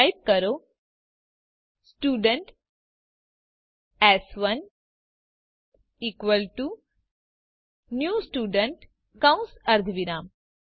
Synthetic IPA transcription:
ajp̚kɐɾo | sʈuːɖəɳʈ | ɛsʋɐn | iːkʋəlʈu | njuːsʈuːɖəɳʈ | kãw̃nsɐɾd̪ʱʋiɾaːm

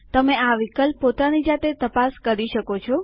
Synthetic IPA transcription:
t̪əmeaʋikəlpːot̪anid͡ʒat̪et̪əpaskəɾiʃəkot͡ʃʰɔ

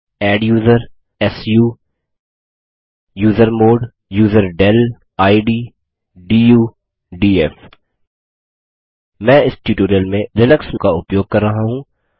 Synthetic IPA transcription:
ɛːɖjuːzəɾ | ɛsjuː | juːzəɾmoːɖ | juːzəɾɖɛl | aːiɖiː | ɖiːjuː | ɖiːɛːf | mɛ̃ːɪsʈuːʈoːɾijəlmẽlɪnəksmkaʊpjoːɡ̚kɐɾːɐɦaɦũ

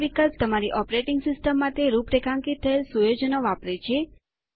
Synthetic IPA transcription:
ʋikəlpt̪əmaɾiʔɔpɾeʈiŋɡsɪsʈəmːat̪ʰeɾupɾekʰãŋkit̪ʰːəelsujod͡ʒənoʋapɾet͡ʃʰe

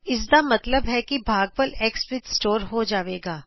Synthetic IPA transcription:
ɪsd̪amɐt̪ləbɦɛkibʱaːɡ̚pəleːkspɾɪt̪sʈoːɾɦod͡ʒaːʋeːɡaː

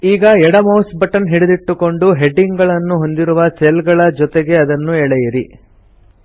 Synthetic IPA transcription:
iːɡɐɛɽɐmɐwsbɐʈɐnɦiɽud̪iʈːuko̞ɳɖuɦeɖiŋɡɡɐɭɐnːuɦo̞nd̪iɾuʋɐselɡɐɭɐd͡ʒɔt̪eɡe̞ɐd̪ɐnːuɛɭɛjɐɾi

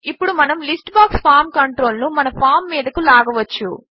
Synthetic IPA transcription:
ipːuɽumɐnɐmlisʈbaːkspʰaːɾmkɐɳʈɾo̞ːlnumɐnɐpʰaːɾmːiːd̪ɐkulaːɡɐʋɐt͡ʃːṵ

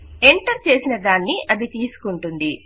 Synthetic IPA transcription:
e̞ɳʈɐɾt͡ʃe̞ːsinɐd̪aːnːiʔɐd̪it̪iːsu̥kuɳʈund̪i

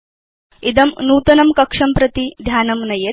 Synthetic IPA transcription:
id̪ɐmnuːt̪ɐnɐmkɐkʂɐmpɾɐt̪id̪ʱjaːnɐmnɐje

